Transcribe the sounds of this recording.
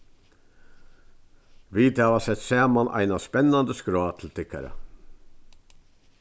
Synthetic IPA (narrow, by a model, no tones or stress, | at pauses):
viːt̪haːʋasɛt̪sæːmanʔa̰jnaspɛnːand̪əskɾɔːt̪ʰɪlt̪ʰɪkːa̰ɾa̰